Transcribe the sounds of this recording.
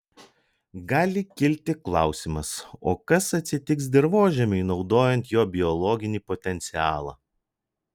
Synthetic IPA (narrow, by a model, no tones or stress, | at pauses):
ɡɑːlʲɪkʲɪlʲt̪ʲɪklˠɑˑʊsʲimɐso̰ːkɐsɐt̪ʲsʲɪt̪ʲɪksd̪ʲɪɾʋoːʒʲɛmʲʊɪnɒʊd̪oːjɛnʲt̪joːbʲɪɔlˠɔːɡʲɪnʲiːpɔt̪ʲɛnʲt̪sʲɪɑːlˠɑ̰ː